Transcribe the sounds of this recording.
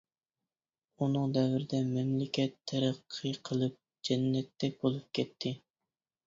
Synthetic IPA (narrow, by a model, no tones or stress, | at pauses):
unɨŋd̪ɛvɾɪd̪ɛmɛmlɪkʲɛt̪ʰːæɾæqʰːɨqʰəlˠɨp̚ | d͡ʒɛnːɛt̪ʰːɛk̚ʲbolˠup̚kʲʰɛt̪ʰːɪ